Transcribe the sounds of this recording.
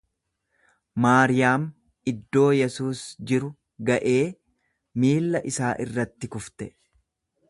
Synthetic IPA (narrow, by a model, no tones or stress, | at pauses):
maːɾɪjaːm | ɪd̪ːo̞ːjɛsuːsd͡ʒɪɾʊ | ɡɐʔe̞ː | miːlːɐʔɪsaːʔɪrːɐt̪ːɪkʊft̪ɛ